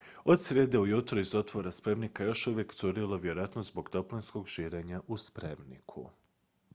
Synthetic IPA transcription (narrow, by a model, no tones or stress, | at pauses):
o̞d̪sʋʲjeːd̪eujut̪ɾoizo̞t̪ʋo̞ɾaspɾe̞mnikajo̞ʃuʋjeksuɾiloʋjeɾoʋat̪nozbo̞ɡ̥t̪o̞plinsko̞ɡʃiːɾe̞ːɲaʔuspɾe̞mnḭkʰṵ